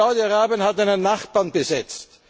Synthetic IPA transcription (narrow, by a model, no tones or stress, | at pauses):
aʊdiaʁaːbjənhataɪnənːaχb̥aːnb̥əzɛt͡st